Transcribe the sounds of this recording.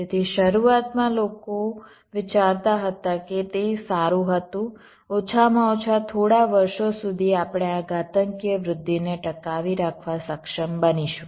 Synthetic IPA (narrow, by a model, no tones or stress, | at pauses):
et̪ʰiʃəɾuat̪mãloko | ʋɪt͡ʃaɾt̪aɦət̪aket̪esaɾũɦət̪ũ | ot͡ʃʰamãot͡ʃʰat̪ʰoɽaʋəɾʃosud̪ʱiapɽ̃eaɡat̪əŋkjəʋɾʊd̪ʱːineʈəkaʋiɾakʰʋasəkʃəmbəniʃũ